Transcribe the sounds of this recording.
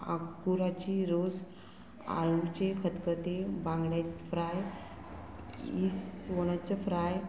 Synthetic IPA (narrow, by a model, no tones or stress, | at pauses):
a̰kuɾat͡ɕiɾos | a̰ɭut͡ɕekʰət̪kət̪ebãŋɡɽjafɾaj | isʋoñat͡sefɾaj